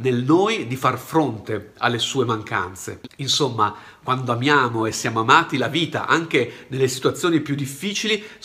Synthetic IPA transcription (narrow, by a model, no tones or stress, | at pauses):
nelnoːjd̪ifarfɾont̪ea̰lːesuːemaŋka̰nt̪sḛinsomːa | kwand̪oamjaːmoesːjaːmoamaːt̪ilaviːt̪a̰ʔaŋk̟enelːesi̥t̪uwat̪sːjoːnipjud̪ːifːiːt͡ʃili